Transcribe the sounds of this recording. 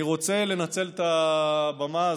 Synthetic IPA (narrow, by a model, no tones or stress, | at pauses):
iʁo̞t͡se̞le̞nat͡se̞lt̪abama